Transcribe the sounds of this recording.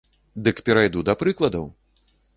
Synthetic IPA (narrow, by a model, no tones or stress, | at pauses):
d̪ɨkpʲɛɾajd̪ud̪ɐpɾɨklˠɐd̪ɐw